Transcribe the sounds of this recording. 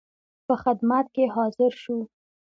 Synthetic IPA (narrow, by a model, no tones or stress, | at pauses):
pəxɪd̪mat̪̚keɦɑzɪɾʃu